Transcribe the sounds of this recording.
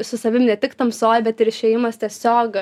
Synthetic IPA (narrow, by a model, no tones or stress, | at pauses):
sʊsɐʋʲɪmnʲɛt̪ʲɪkt̪ɐmsoːjbʲɛt̪ɪɾɪʃʲɛjɪmɐst̪ʲiɛsʲoːk